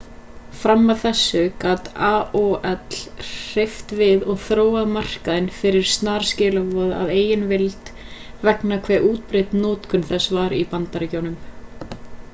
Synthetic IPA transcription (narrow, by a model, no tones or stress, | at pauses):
fɾamːaðθɛsːʏkaːt̪aːɔːʔɛt̪l̥r̥eft̪vɪðɔɣθɾoːwaðmar̥kaðɪnfɪɾɪɾ̥st̪naːɾ̥scɪːlavɔːða̰veːjɪnvɪlt̪ | vɛknakʰvɛːɾʔuːt̪pɾejt̪noːt̪kʰʏnθɛsːvaɾipant̪aɾcoːwnʏm